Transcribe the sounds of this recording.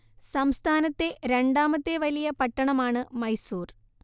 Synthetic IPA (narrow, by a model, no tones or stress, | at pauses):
sɐmst̪ʰaːnɐt̪ːe̞ɾe̞ɳɖaːmɐt̪ːeʋɐlijɐpɐʈːɐɳɐmaːɳɨmɐjsuːr